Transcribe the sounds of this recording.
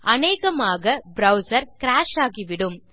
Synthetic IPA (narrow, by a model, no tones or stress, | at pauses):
ʔɐneːɣɐmaːɣɐbɾɐʊsɐɾkɪɾaːʃaːɣiʋɪɽɯm